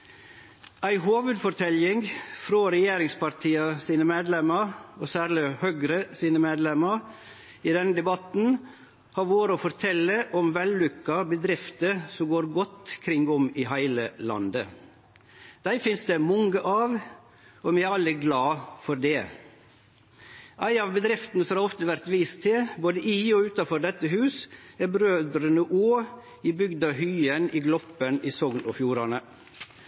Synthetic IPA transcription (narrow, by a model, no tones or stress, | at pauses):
æɪɦoːʋʉd̪fɔɾt̪ʰɛlɪŋfɾoːɾɛjeːɾɪŋspʰɑɾt̪ʰiːɑsiːnəmeːd̪lɛməɾɔːsæːɾɭɪhøɡɾəsiːnəmeːd̪lɛmɑɾ | iːd̪ɛnəd̪ɛbɑt̪n̩ | hɑɾʋoːɾəɔfɔɾt̪ʰɛlːəʔɔmʋɛlːʉkːɑbəd̪ɾɪft̪əsɔmɡoːɾɡɔt̪ːkʰɾɪŋɡɔmɪɦæɪləlɑ̰nd̪ə | d̪̥æɪfɪnsd̪ɛmɔŋəʔɑːʋ | ɔmɛæɾɑlːəɡlɑːfɔɾd̪ɛː | ʔæɪnɑʋbəd̪ɾɪft̪nəsɔmɑɾɔft̪əʋæɾt̪ʋiːst̪ʰɪboːd̪əʔɪɔʉːt̪ɑfɔɾɖ̪ɛt̪ːəɦʉːsæɾbɾøːd̪ɾənəʔoː | ɪbʏɡd̪ɑhyːənɪɡlɔpəniːsɔɡnɔfjuːɾɑnə